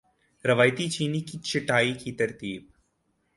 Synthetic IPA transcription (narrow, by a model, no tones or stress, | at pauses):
ɾɐʋaːjt̪it͡ʃiːnikit͡ʃɪʈaːikit̪ɐɾt̪iːb̚